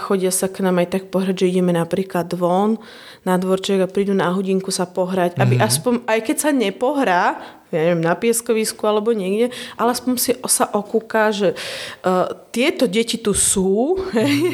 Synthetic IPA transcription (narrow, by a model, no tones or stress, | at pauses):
xɔɟɪasaknaːmajt̪ak̚pɔɦɾaɟʒɛiɟɛmɛnapɾiːklad̪ʋɔn | nad̪ʋɔɾt͡ʃɛɡapɾiːd̪unaɦuɟiŋkusapɔɦɾaɟabiʔaspɔɲajkɛcsaɲɛpɔɦɾaː | jaɲɛʋjɛmnapɪɛskɔʋiskualɛbɔɲɛɡɟɛʔalɛaspɔɲsisaʔɔkuːkaːʒɛ | t̪ɪɛt̪ɔɟɛcit̪usuːɦɛj